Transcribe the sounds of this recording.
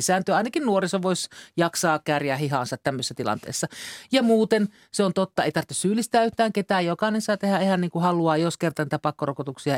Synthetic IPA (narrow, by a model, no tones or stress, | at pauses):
isæːnt̪øɑinɑkinnuorisoʋoisʲjɑksɑːkærjæhiɦɑnsɑt̪t̪æmːøsesːæt̪ilɑ̰nt̪ḛːsːɑjɑmuːt̪en | seont̪ot̪ːɑeit̪ɑrt̪ːessyːlːist̪æːyht̪æːŋket̪æːjokɑˑinensɑːt̪ehæehæniːŋkuhɑluɑːjoskert̪ɑniːt̪æpɑkːorokot̪uksiɑ